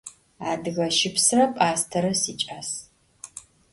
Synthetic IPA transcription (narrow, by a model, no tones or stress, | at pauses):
aːdɨɣɐʃɪpsɨrɐpʼaːstʰɐɾɐsiːt͡ʃʼaːs